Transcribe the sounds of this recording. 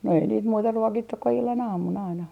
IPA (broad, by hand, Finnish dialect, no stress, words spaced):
no ei niːt muːtɑ ruokitːuk ku ilːɑn ɑːmun ɑinɑ